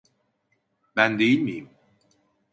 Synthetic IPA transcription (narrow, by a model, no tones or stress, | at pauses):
ɓaːnɗimḭəm